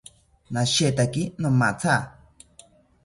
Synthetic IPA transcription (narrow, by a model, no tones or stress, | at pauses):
nãʃet̪akinõmãt͡sʰa